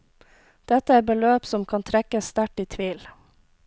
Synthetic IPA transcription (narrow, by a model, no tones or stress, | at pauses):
d̪̥ɛt̪əæːɾbəløːpsɔmkʰɑnt̪ʰɾɛkəst̪æʈiːt̪ʰʋiːl